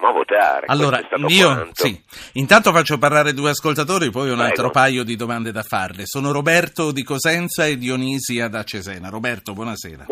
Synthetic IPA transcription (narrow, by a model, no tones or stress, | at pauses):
mavo̰t̪a̰ɾ̰alːoːɾast̪aionsi | int̪ant̪ofat͡ʃːoparlaːɾed̪uːeaskolt̪at̪oːɾipɔjunalt̪ɾopajːod̪id̪omand̪ed̪afarlesoːnoɾobɛrt̪od̪ikozɛnt̪saed̪ːioniziad̪at͡ʃːezɛːnaɾobɛrt̪obwɔnasɛ̰ːɾa̰